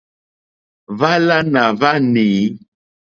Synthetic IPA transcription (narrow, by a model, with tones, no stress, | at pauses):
va˦la˦nã˨va˦niː˨˦